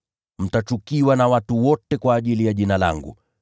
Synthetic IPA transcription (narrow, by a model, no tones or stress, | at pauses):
m̩tat͡ʃukiwanawatuwɔtɛkwaːʄilijaʄinala̰ŋɡṵ